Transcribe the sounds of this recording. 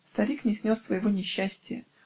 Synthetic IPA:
st̪ɐɾʲiknʲɪsʲnʲosːvəjɪvonʲɪɕːæsʲtʲɪjə

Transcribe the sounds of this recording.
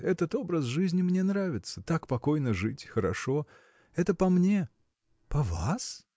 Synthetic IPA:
ɛt̪ət̪o̞bɾəsʐɨzʲnʲɪmnʲe̞nɾavʲɪt̪sə̥t̪akpɐko̞jnəʐɨtʲxəɾɐ̰ʂo̞ | ɛt̪əpɐmnʲe̞ | pɐvas

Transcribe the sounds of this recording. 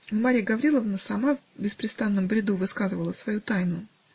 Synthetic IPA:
maɾʲijəɡɐvɾʲilˠəvnəsɐmav | bʲɪspɾʲɪst̪anːəmbɾʲɪd̪uvɨskazɨvəlˠəsvɐjut̪ajnʊ

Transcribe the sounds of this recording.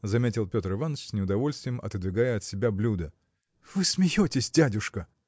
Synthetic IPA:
zɐmʲetʲɪlˠpʲo̞t̪ɾɨvanːəfsʲnʲɪʊd̪ɐvo̞lʲst̪vʲɪjəmʔɐ̰t̪ɨd̪vʲɪɡajəɐt̪sʲɪbʲablʲud̪ə | v̥ɨsmʲɪjotʲɪsʲdʲædʲʊʂkə

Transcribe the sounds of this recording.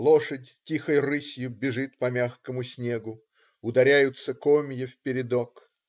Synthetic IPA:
lˠoʂətʲtʲixəjrɨsʲjʊbʲɪʐɨt̪pɐmʲaxkəmʊsʲnʲe̞ɡʊ | ʊd̪ɐɾʲæjʊt̪səkomʲjɪfpʲɪɾʲɪd̪ok

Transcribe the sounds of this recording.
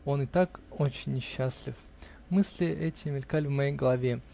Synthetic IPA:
o̞nɨt̪ako̞t͡ɕɪnʲːɪɕːaslʲɪf | mɨsʲlʲɪʔɛtʲɪmʲɪlʲkalʲvmɐjejɡəlˠɐvʲe

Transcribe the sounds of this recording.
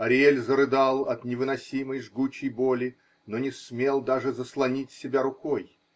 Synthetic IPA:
ɐɾʲelʲzəɾɨd̪alˠɐt̪nʲɪvɨnɐsʲiməjʐɡut͡ɕɪjbo̞lʲɪ | nonʲɪsmʲe̞lˠd̪aʐɨzəslˠɐnʲitʲsʲɪbʲaɾʊkoj

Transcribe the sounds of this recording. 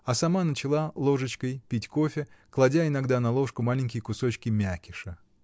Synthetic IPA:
ɐsɐmanət͡ɕɪlˠalˠo̞ʐɨt͡ɕkəjpʲitʲko̞fʲɪklˠɐdʲaɪnɐɡd̪anɐlˠo̞ʂkʊmalʲɪnʲkʲɪjkʊso̞t͡ɕkʲɪmʲækʲɪʂə

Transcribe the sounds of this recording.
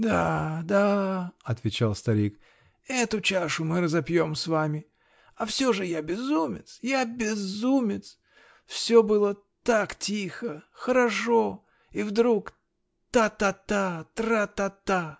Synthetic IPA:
d̪ad̪aɐt̪vʲɪt͡ɕalˠst̪ɐɾʲik | ɛt̪ʊt͡ɕaʂʊmɨɾəzɐpjo̞msvamʲɪ | ɐfsʲoʐɨjabʲɪzumʲɪt̪sjabʲɪzumʲɪt̪s | fsʲobɨlˠə | t̪aktʲixəxəɾɐʂo̞ | ivd̪ɾuk | t̪at̪at̪at̪ɾat̪at̪a

